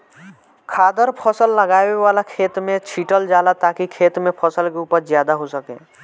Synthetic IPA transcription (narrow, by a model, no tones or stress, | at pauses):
kʰaːd̪əɾpʰəsəlːəɡaːeʋaːlakʰeːt̪mẽt͡ʃʰiːʈəld͡ʒaːlat̪aːkikʰeːt̪mẽpʰəsəlkeuːpəɾzjaːd̪aɦosəkḛː